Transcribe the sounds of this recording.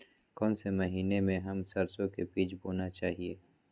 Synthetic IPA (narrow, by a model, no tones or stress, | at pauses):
kɔːnsemɐɦiːnemẽɦɐmsɐɾsõkebiːt͡ʃboːnat͡ʃaːɦieː